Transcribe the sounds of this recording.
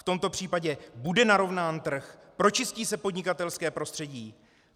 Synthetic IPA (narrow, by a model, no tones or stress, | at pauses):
t̪o̞mt̪o̞pr̝̥iːpaɟɛbudɛnaɾo̞vnaːnt̪r̩xpɾo̞t͡ʃɪsciːsɛpo̞dɲɪkat̪ɛlskɛːpɾo̞st̪r̥ɛɟiː